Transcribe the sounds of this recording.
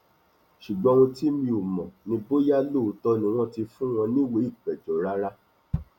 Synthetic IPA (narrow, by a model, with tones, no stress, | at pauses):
ʃu˨ɡ͡bɔ̃˨˧w̃ũ˧ti˦mĩ˧o˨mɔ̃˨nĩ˧bo˦ja˦lo˦˨˦tɔ˧nĩ˨w̃ɔ̃˦ti˧fũ˦w̃ɔ̃˧nĩ˦we˨˦i˦˨k͡pɛ˨d͡ʒɔ˨˦ɾa˦ɾa˦